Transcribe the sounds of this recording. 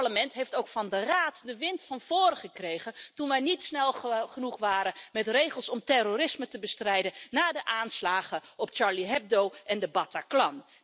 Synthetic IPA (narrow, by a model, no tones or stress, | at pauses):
ɹləmɛntɦeftowkfɑndəraːtdəʋɪntfɑnv̥oːrχəkrejχəntunʋɛjnitsnɛlˠχənuχʋaːɾəmɛtrejχəlˠsɔmtɛroɾɪsmətəbəstrɛjdənnaːdəʔaːnslaːχəɔpt͡ʃɑɹliɦɛb̚dowʔɛndəbɑtaklɑn